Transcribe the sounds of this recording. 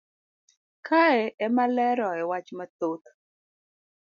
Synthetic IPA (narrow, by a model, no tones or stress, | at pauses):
kʰaɛɛmalɛɾɔɛwat͡ʃmat̪ot̪